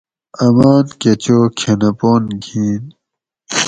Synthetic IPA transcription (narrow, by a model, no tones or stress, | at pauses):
ɐmaːnket͡ɕokʰenɐpoːnɡʱiːn